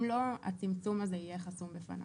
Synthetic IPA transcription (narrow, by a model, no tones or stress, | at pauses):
lo̞a̰t͡simt͡sumazeijeχasumbefa̰na̰